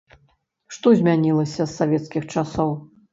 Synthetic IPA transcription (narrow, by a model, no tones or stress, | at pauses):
ʂt̪ɔzʲmʲanʲilˠɐsʲɐsːavʲɛt̪skʲixt͡ʂasɔw